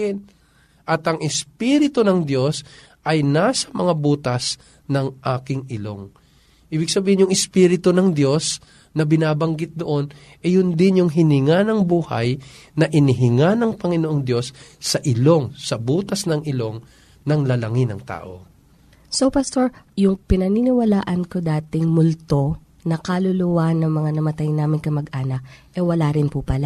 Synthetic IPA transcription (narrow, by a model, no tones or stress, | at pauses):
ɪn | ʔɐt̪ɐŋɪspiːɾɪt̪onɐŋd̪jo̞s | ʔɐjnasɐmɐŋabuːt̪ɐs | nɐŋʔaːkɪŋɪlo̞ŋ | ʔiːbɪɡ̚sɐbiːhɪnjʊŋɪspiɾɪt̪onɐŋd̪jo̞s | nɐbɪnaːbɐŋɡɪt̪̚d̪oʔo̞n | ʔɛjʊnd̪ɪnjʊŋɦɪnɪŋanɐŋbuːhɐ̰j | nɐʔɪnɪɦɪŋanɐŋpɐŋɪnoʔoŋd̪jo̞sːɐʔɪlo̞ŋsɐbuːt̪ɐsnɐŋʔɪlo̞ŋ | nɐŋlɐlɐŋɪnɐ̰ŋt̪a̰ːʔo̞̰ | sopast̪oɹjʊŋpɪnɐninɪwɐlaːʔɐnkod̪aːt̪ɪŋmʊlt̪o̞ | nɐkɐlʊluwanɐŋmɐŋanɐmɐt̪ajnaːmɪnkɐmɐɡʔaːnɐk̚ʔɛwɐlaːɾɪnpʊpɐla